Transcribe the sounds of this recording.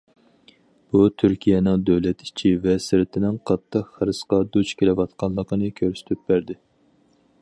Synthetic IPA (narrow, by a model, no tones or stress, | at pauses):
b̥ut̪ʰyɾkʲʰijɛnɨŋd̪øwlɛt̪i̥t͡ʃʰivɛsɪɾɪt̪ʰɪnɪŋqʰɑt̪ʰːəqχəɾɨsqɑd̪ut͡ʃkʲʰelɪwɑt̪qʰɑnlˠːəqʰənɨkʲʰøɾsy̥t̪ʰyp̚bæɾd̪ɪ